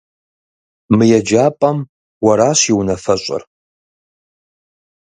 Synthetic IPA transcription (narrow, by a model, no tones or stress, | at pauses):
mɨjɛd͡ʒaːpʼɐm | wɐɾaːɕiwnɐfɐɕʷʼɪ̰r